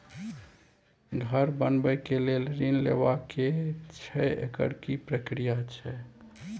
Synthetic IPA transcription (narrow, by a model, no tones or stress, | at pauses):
ɡʱəɾbənbəkelelɾinlḛbaket͡ʃʰɛḛkə̰ɾkipɾəkɾijat͡ʃʰɛ